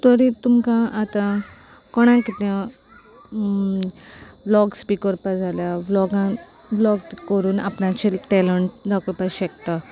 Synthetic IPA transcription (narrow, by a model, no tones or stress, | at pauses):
t̪ɔɾit̪umkãʔat̪ã | kɔɽ̃ãkit̪a | lɔɡspikəɾpad͡zʱaljablɔɡã | blɔɡ̪kəɾuːna̰pɳãt͡ɕiʈɛləɳʈd̪akəɾpaɕɛkt̪a